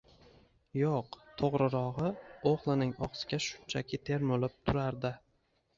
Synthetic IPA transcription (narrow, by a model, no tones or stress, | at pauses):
joqt̪ʰoʁɾɪɾɒʁɨoχlˠɪnɪŋɒ̰qsɪ̥ɡʲaʃʊ̥nt͡ʃʰakʲʰɪt̪ʰe̞ɾmʊlɪp̚t̪ʰʊɾaɾd̪ɪ